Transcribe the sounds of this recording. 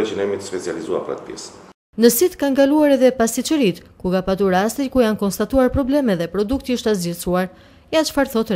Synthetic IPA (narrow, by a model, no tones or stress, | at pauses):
ɛt͡ʃənɛmit̪ə̥spɛt͡sializua̰pɾa̰t̪̚pjɛ̰s | nəsit̪kanɡaluaɾɛðɛpast̪it͡ʃəɾit̪kuɡapat̪uɾast̪ikujankɔnst̪at̪uaɾpɾɔblɛmɛðɛpɾɔd̪ukt̪iiʃt̪azd͡ʑɛsuaɾ | ɛjat͡ʃfaɾθɔt̪ɾ